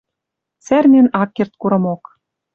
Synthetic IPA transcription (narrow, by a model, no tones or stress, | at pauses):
t͡særmʲĕnɑkːert̪̚kuɾɤ̆mok